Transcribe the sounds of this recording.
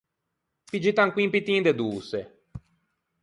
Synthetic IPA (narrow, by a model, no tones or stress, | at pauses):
pid͡ʒit̪aŋkwimpit̪ĩnd̪ed̪uːse